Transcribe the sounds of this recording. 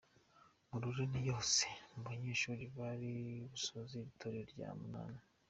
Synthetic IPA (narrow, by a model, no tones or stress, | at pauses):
muɾuɾinijo̞ːse̥nuβaɲeːʃuːɾiβaɾiβusoziɾitʰoɾeɾɟa̰ːmuna̰ːna